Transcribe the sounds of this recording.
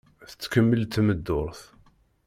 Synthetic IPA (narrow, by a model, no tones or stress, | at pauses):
θə̥t͡sːkəmːəlt̪məd̪ːʊɾθ